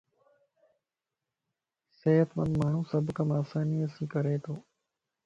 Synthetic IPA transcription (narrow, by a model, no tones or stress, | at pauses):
seːət̪mə̃nd̪maːɳ̤ũːsəbʱkəmaːsaːniːəsĩːkəɾeːt̪ʰoː